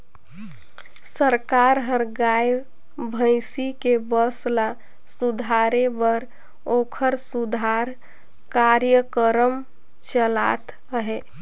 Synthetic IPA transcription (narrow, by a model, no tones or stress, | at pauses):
səɾkaɾɦəɾɡaj | bʱə̃ɪsikebəsla | sud̪ʱaɾebəɾ | oːkʰəɾsud̪ʱaɾ | kaɾjəkəɾəm | t͡ʃəla̰t̪ | ɦɛ